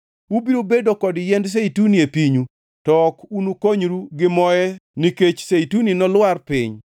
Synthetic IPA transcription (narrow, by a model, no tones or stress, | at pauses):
wubiɾobedokɔdjɛnds̬eituniepiɲu | tɔkunukoɲɾuɡɪmɔjɛniket͡ʃseituninɔlwarpɪɲ